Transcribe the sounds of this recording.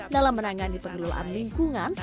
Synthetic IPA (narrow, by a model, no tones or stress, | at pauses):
dalamːənaŋanipəŋɡəlula̰nliŋkuŋan